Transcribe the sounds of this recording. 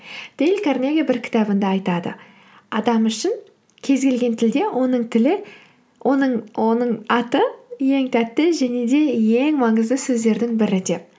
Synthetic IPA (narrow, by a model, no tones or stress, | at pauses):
d̪̥elkʰʲarneɡʲabɪɾkʲʰɪ̥t̪ɑbənd̪ɑɑjt̪ɑd̪ə̰ | ɑd̪ɑmʏʃɪŋ | kʲʰe̞zɡʲe̞lɡʲe̞nt̪ʰɪld̪e̞wonəɴt̪ʰɪlɪ | wʔonəɴonəɴɑt̪əje̞ŋt̪ʰæt̪ːɪʒæne̞d̪e̞je̞ŋmɑɴəzd̪əsɵzd̪e̞ɾd̪ɪŋbɪɾɪd̪ep̚